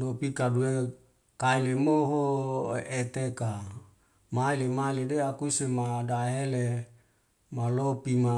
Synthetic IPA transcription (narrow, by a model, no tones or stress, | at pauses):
dopikadue | kailemoɦo | et̪eka | mailemailedeakusemadaɦele | malopima